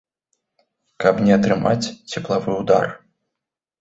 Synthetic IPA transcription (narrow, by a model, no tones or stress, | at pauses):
kɐpnʲɛɐt̪ɾɨma̰t͡sʲt͡sʲɛplˠavɨwd̪a̰r